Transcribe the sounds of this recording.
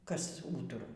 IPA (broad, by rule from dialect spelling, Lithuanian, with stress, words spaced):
kɐs ˈuːtʊrɐʊ